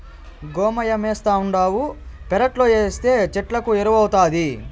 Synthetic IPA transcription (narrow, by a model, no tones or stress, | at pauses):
ɡɔːmɐjɐmɛːst̪aːuɳɖaːwupɛɾɐʈlo̞ːeːst̪e̞ːt͡ʃɛʈlɐkueɾuʋɐwut̪aːd̪i